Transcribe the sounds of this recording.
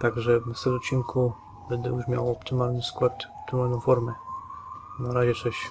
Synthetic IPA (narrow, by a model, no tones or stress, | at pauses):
t̪aɡʐɛvnast̪ɛlɔt̪t͡ɕːiŋkʰu | bɛnd̪ɛjuʂmʲjawɔpt̪ɘmalnɘskwat̪ɔp̚t̪ɘmalnɔ̃w̃fɔɾmɛ | naɾaʑɛt͡ʂɛɕ